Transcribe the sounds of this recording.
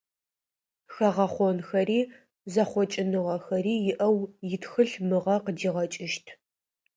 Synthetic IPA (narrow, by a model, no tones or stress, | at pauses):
xɐʁɐχʷɔnxɐɾiː | zɐχʷɔt͡ʃʼɪnɨʁɐxɐriːjɪʔɐwjɪtxɨɬmɨʁɐqədiːʁɐt͡ʃʼɪʃtʰ